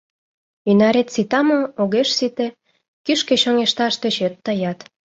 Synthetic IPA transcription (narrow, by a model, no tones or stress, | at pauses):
ynɑɾet̪sit̪ɑmooɣeʃsit̪e | kyʃkĕɕoŋeʃt̪ɑʃt̪øt͡ɕet̪ːəjɑt̪